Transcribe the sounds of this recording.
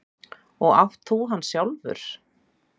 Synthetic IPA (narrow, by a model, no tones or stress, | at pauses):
ɔɣa̰ft̪ʰθuːɦanːsjawlvʏ̰ɾ̥